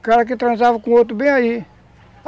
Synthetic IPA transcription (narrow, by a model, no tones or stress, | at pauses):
kaɾak̬it̪ɾãnsafkũot̪̬ubeaji